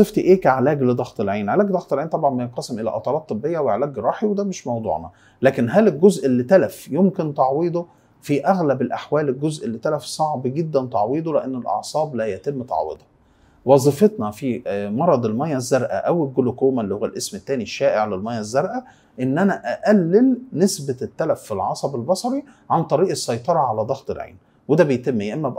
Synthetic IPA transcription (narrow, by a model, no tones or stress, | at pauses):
eft̪iʔeːkæʕelæːɡled̪ˤɑɣt̪ˤelʕiːnʕelæːɡd̪ɑɣt̪elʕiːnt̪ˤɑbʕɑnbæjenqɑsemʔelæ̰ʔɑt̪ˤɑɾˤɑːt̪ˤːɨbːejːæweʕelæːɡɾˤɑːħiwed̪æmeʃmɑwd̪ˤṵʕnɑ | læːkenɦælelɡozʔelːit̪ælæfjomkent̪ɑʕwiːd̪ˤo | fiʔæɣlæbelʔaħwæːlelɡozʔelːit̪ælæfsˤɑʕbɡed̪ːænt̪ˤɑʕwiːd̪ˤoleʔænːelʔɑ̰ʕsˤɑːblæjæt̪emːt̪ɑ̰ʕwḛd̪ˤɑ̥ | wɑzˤifet̪nɑfimɑɾˤɑd̪ˤelmæjːæzːɑɾˤʔæ̰ʔæwelɡolokoːmælːiːhowːælʔesmet̪ːæːniʃːæːʔeʕlelmæjːæzːɑɾˤʔæ | ʔenːʔænæʔæʔælːelnesbæt̪ːælæfːilʕɑsˤɑbelbɑsˤɑɾi | ʕant̪ˤɑɾiːʔesːɑjt̪ˤɑɾˤɑʕalæd̪ˤɑxt̪ˤḛlʕḛːn | wed̪æbejt̪emːejʔemːæb